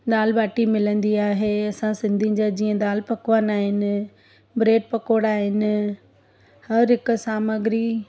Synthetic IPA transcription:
d̪aːlbaːʈimɪlə̃nd̪iaːɦeːɐsãsɪ̃nd̪ʱĩd͡ʑad͡ʑiːə̃d̪aːlpɐkʋənaːɦɪnɪ̆ | bɾeːʈ̚pɐkoːɽaːɦɪnɪ̆ | hɐɾɦɪkʊsaːməɡɾiː

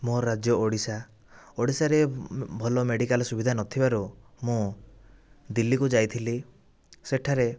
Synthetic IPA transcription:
moɾad͡ʒjɔoɽisa | oɽisaɾebʱɔlɔmeɽikalɔsubʱid̪ʱanɔt̪ʰibaɾumõ | d̪ilːikud͡ʒajt̪ʰili | seʈʰaɾe

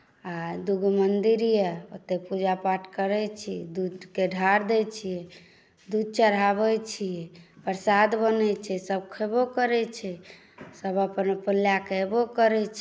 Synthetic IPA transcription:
ad̪uɡʱmənd̪iɾijəot̪ːepud͡ʒapaʈʰkəɾɛt͡ʃʰid̪ud̪keɖʱaɾd̪ɛt͡ʃʰijɛ | d̪ud̪̚t͡ʃəɾɦabɛt͡ʃʰijɛpəɾsad̪bənɛt͡ʃʰɛsəb̚kʰəbokəɾɛt͡ʃʰɛ | səbəpnpəljakbokəɾɛt͡ʃʰ

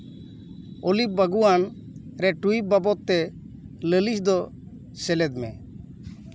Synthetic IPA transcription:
olip̚baɡuan | ɾɛʈuip̚babɔt̪ːɛ | ləlisd̪ɔ | sɛlɛd̪mɛ̰

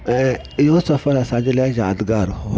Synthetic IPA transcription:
ɛ | josɔfaɾasad͡ʒɪlɛd͡ʒadɡaɾʊ

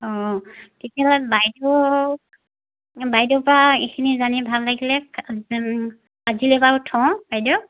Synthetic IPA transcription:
ɔtetialɔbajdɔ | bajdɔpɹaikʰinizanibʱalːaɡilɛ | azilɛbaʊtʰɔ̃wb̥ajdɔ

